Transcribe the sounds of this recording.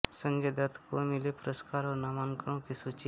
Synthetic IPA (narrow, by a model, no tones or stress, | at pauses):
sə̃ŋɡed̪ɐt̪komɪlepʊɾəskaːɾɔːɾnaːmaːnkəɾõkisuːt͡ʃi